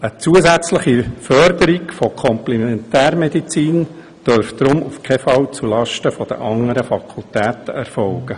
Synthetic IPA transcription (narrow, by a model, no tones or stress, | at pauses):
ət͡suəzæt͡sləχifœɾd̪əɾiɡfɔkʰɔmplɛmɛntæːrmɛd̪it͡siːn | d̪̥øɾfd̥̪ɾʊmufkʰɛfɑwt͡sulɑʃtəfɔd̥̪ə̰ʔɑŋəɾəfɑkʰultæːt̪əɛrfɔwɡ̥ə